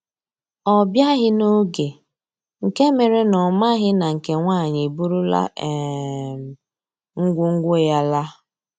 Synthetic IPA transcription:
ɔ˨bja˦ɦɪ˦no˦ɡe˨ | ŋ̩˨ke˦me˨ɾe˦nɔ˨ma˦ɦɪ˦na˨ŋ̩˨ke˨ŋʷa˦˨ɲɪ˨bu˦ɾu˦la̰˦˨ | m˨ | ŋ̩˦ɡʷʊ˦ŋ̩˦ɡʷo˦˨ja˦la˦

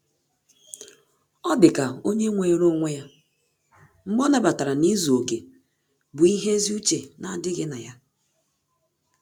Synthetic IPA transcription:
ɔ˦dɪ˨ka˨o˦ɲe˦ŋʷe˨˦ɾo˦ŋʷe˦ja˦ | ŋ͡m̩˦ɡ͡bɔ˦na˦ba˨ta˨ɾa˨ni˦zu˨o˨ke˨ | bʊ˨i˦ɦe˦zi˦u˦t͡ʃe˨na˨dɪ˦ɣɪ˦na˨ja˦

